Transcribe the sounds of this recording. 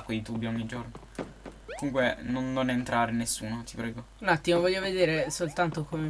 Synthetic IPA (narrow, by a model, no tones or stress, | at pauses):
kweit̪ubːioɲːid͡ʒorno | komuŋkwenonːonent̪ɾaːɾenesːuːnot̪i̥pɾɛːɡo | unat̪ːimovɔʎːoved̪eːɾesolt̪ant̪okome